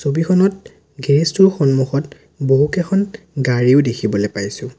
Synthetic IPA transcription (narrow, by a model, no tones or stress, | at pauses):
sobixʰɔnɔt̚ | ɡɛɹistuɹxɔnmuxɔt | boɦukɛkʰɔn | ɡaɹiʊdekʰibɔlepajsʊ̃